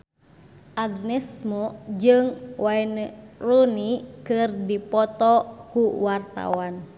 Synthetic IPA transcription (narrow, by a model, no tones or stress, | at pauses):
ʔaɡ̚nɛsmod͡ʒɨŋwaɛnrunikɨrdipɔt̪ɔkuwart̪a̰wan